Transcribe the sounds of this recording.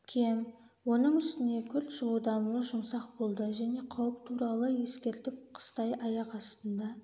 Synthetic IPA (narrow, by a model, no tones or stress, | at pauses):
kʲʰem | wo̞nəɴʏst̪ɪne̞kʲʰʏɾt̪ʒəlˠud̪ɑməʒʊmsɑq̚bo̞lˠd̪əʒæne̞qʰɑwəp̚t̪ʰuɾɑlˠəje̞skʲe̞ɾt̪ɪp̚qʰə̥st̪ɑjʔɑjɑqɑst̪ənd̪ɑ